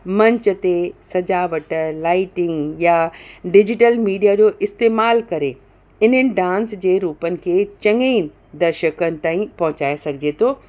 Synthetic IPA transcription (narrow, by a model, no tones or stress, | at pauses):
mɐ̃ɲt͡ɕət̪esɐd͡ʑaːʋəʈlaːɪʈɪ̃ŋɡjaɖɪd͡ʑɪʈəlmiːɖijad͡ʑoːʔɪst̪eːmaːlkɐɾe | ɪn̤ənɪ̆ɖãːnsd͡ʑeːɾuːpənɪ̆kʰeːt͡ɕɐ̃ŋei | d̪ɐɾʃəkənɪ̆t̪aːĩpɐɦʊ̃t͡ɕaːesɐɡʱɪd͡ʑet̪ʰoː